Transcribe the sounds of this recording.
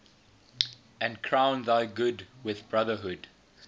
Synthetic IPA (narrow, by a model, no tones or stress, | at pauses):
ɨ̃nkʰɹãʊ̃nðaɪɡʊdwɪðbɹʌðəɦʊd